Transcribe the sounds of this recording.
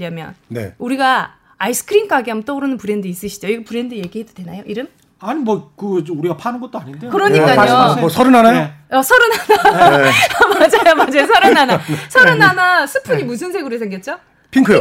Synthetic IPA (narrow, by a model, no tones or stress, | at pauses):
ʌmjʌ̰nne̞̰uɾiɡa | aisʰɯ̥kʰɯɾink͈ʰaɡiamɯt͈ʌuɾɯnɯnpɯɾe̞ndɯis͈ɯɕʰi̥d͡ʑoiɡepɯɾe̞ndɯje̞ɡiɦedo̥dwe̞najoʔiɾɯm | aɲimwʌkɯuɾiɡapʰanɯnɡʌt͈oaɲindekɯɾʌɲik͈asʰʌɾɯnanajoʌsʰʌɾɯnana | mad͡ʑajomad͡ʑesʰʌɾɯnanasʰʌɾɯnanasʰɯpʰɯɲimusʰɯnsʰe̞ɡuɾɯsʰeŋɡjʌt̚t͡ɕ͈o | pʰiŋkʰɯj